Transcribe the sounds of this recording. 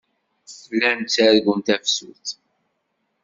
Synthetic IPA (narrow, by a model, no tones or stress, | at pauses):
θlːænt͡sːæðɡʷənt̪æfsṵθ